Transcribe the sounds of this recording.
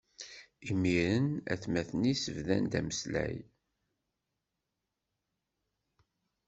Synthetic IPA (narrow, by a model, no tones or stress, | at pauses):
imːiɾənæ̰θmæθənisəvðæ̰nd̪æməslæ̰j